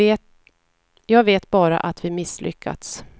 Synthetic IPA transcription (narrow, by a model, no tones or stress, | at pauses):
t | jɑːɡveːt̪bɑːɾa̰ʔat̪vɪmɪslʔʏ̰kʰːa̰t̪s